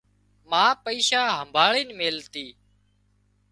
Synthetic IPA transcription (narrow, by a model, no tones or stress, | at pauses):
mãːpəiːʃaːɦəmbʱaːɭiːnmeːlt̪iː